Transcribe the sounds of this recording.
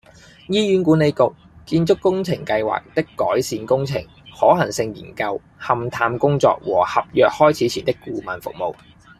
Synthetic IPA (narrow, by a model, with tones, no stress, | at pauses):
jiː˥jyː˨˥nkuː˨˥ne˨˧jkʊ˨k̚ | kiː˧nt͡ʃʊ˥kːʊ˥ŋt͡sʰɪ˨˩ŋkɐ˧jwa̰ː˨k̚t̪ɪ˥kːɔː˨˥jsiː˨˧nkʊ˥ŋt͡sʰɪ˨˩ŋ | hɔː˨˥ɦɐ˨˩ŋsɪ˧ŋjḭː˨˩nkɐ˧w | hɐ˨mt̪ʰaː˧mkʊ˥ŋt͡sɔ̰ː˧k̚wɔː˨˩hɐ˨p̚jœː˨k̚hɔː˥jt͡sʰiː˨˥t͡sʰiː˨˩nt̪ɪ˥kːuː˧mɐ˨nfʊ̰˨k̚mo˨w